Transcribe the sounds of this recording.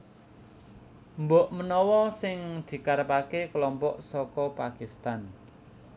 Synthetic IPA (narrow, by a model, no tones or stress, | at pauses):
mboʔmənɔwɔsɪŋd̪̥i̤kaɾəpakekəlɔmpɔʔsɔkɔpakist̪an